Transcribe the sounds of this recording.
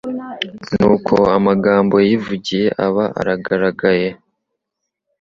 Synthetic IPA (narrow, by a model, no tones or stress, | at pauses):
nuːkʰo̞amaɡaːmbo̞jivuɟije̞ʔaβaʔa̰ɾaɡaɾaɡaje̞